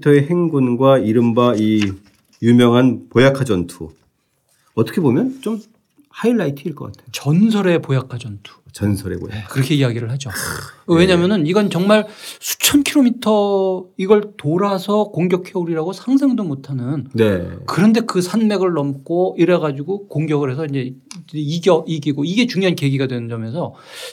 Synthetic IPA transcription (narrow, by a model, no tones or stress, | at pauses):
tʰʌeɦeŋɡunɡwaiɾɯmbai | jumjʌŋɦanpojakʰad͡ʑʌntʰu | ʌt͈ʌ̥kʰebomjʌnt͡ɕom | haiɭːaitʰɯiɭk͈ʌk͈atʰejot͡ɕʌnsʰʌɾe̞pojakʰad͡ʑʌntʰu̥t͡ɕʌnsʰʌɾḛkɯɾʌkʰe̞iaɡiɾɯɭɦad͡ʑoweɲamjʌnɯniɡʌnt͡ɕʌŋmaɭsʰu̥t͡ɕʰʌnkʰiɾomitʰʌiɡʌɭtoɾasʰʌkoŋɡjʌkʰeuɾiɾaɡosʰaŋsʰaŋdomotʰanɯnnekɯɾʌnde̞kɯsʰanme̞ɡɯɭːʌmk͈oiɾeɡad͡ʑuɡokoŋɡjʌɡɯɾɦe̞s̬ʰʌind͡ʑe̞iɡjʌiɡiɡoiɡe̞t͡ɕuŋjoɦanke̞ɡiɡadwe̞nɯnd͡ʑʌme̞s̬ʰʌ